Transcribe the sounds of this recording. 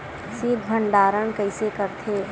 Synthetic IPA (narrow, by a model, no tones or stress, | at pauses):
sid̪ʱbʱəɳɖaːɾəɳkəɪsekəɾt̪ʰeː